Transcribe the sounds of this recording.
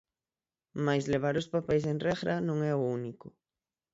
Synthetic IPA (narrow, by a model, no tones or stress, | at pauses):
majsleβ̞aɾʊspapɛjs̬enrɛɣɾanõŋɛʊunikʊ